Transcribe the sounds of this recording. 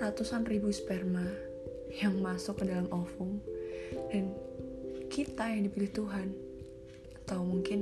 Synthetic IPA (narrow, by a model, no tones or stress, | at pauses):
ɾat̪usanribuspɛrma | jaŋmasʊkːədalamʔɔfʊŋ | dan | kit̪ajaŋdipilɪht̪uɦan | at̪awmuŋkɪn